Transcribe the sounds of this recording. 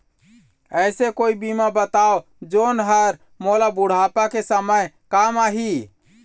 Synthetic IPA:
əɪsekoibimabət̪ao | d͡ʒonɦəɾ | molabuɽ̤apakesəməj | kamaɦi

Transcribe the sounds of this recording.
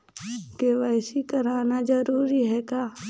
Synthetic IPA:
keʋɛːsikɐɾaːnad͡ʒɐɾuːɾiɦɛkaː

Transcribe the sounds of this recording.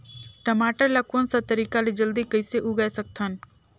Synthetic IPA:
ʈɐmaːʈəɾlakuənsat̪ɐɾiːkalid͡ʒəld̪ikəɪseʔuɡɐjsɐk̚t̪ʰən

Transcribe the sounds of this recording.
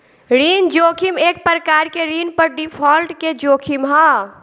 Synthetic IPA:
ɾind͡ʒokʰimek̚pɾəkaɾkeɾinpəɾɖipʰɔlʈked͡ʒokʰimɦə

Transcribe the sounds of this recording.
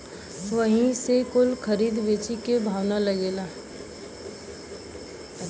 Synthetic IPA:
ʋəɦĩsekʊlkʰəɾiːd̪ʋeːt͡ʃikebʱaːʋnaləɡeːlaː

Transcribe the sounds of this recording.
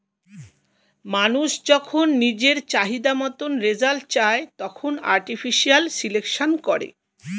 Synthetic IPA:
manuʃd͡ʑɔkʰonːid͡ʑeɾt͡ɕaɦid̪amɔt̪onɾed͡ʑalʈ̚t͡ɕaet̪ɔkʰona̰ɾʈifʰiʃialsilekʃonkɔɾḛ

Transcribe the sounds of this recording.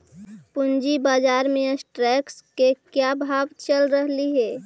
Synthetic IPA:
pund͡ʒibaːd͡ʒaɾmẽəsʈɾɛkskekjabʱabt͡ʃəlɾəɦliɦɛː

